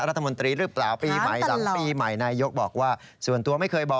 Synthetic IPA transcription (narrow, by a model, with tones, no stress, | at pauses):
ɾa˦˥t̪ʰːa˧mo˧nt̪ɾiː˧ɾɯː˦˥plaː˨˩wpiː˧ma˨˩jsaː˨˩˦piː˧ma˨˩jnaː˧jo˦˥k̚bɔː˨˩k̚waː˥˩su˨˩ənt̪u˧ɐma˥˩jkʰɤː˧jbɔː˨˩